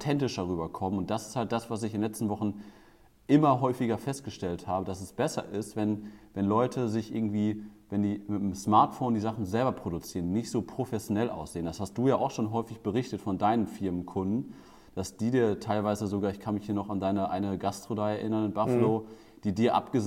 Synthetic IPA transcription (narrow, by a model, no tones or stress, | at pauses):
ʊtʰɛntɪʃɐʁyːbɐkʰɔmənʊnt̚d̥asɪ̥sthalt̚d̥asv̥as̬ɪçɪnlɛt͡stn̩vɔχn̩ | ʔɪmɐɦɔʏfɪɡɐfɛst̚ɡ̥əʃtɛlthaːbədasɛsb̥ɛsɐ̰ʔɪstvɛnvɛnlɔʏtʰəzɪçʔɪ̰ɐɡŋ̩tv̥iːvɛndiːmɪtnəmsmaɐtfoːndiːzaχn̩zɛlbɐpʁ̥oɾut͡siːʁəndiːnɪçtz̥oːpʁ̥ofɛsjonɛlʔa̰ʊsz̥eːəndashast̚d̥uːjaːʔaʊxʃoːnɦɔʏfɪçb̥əʁɪçtətfɔndaɪnənfɪɐmənkʰʊndn̩ | d̥asd̥iːdiːɐtʰaɪlvaɪzəzoɡaːɐɪçkʰanmɪçhiːɐnɔχandaɪnəʔa̰ɪnəɡastʁ̥odaɪɛɐʔɪnɐnɪnbafəloː | d̥iːdiːɐʔa̰pɡ̥əz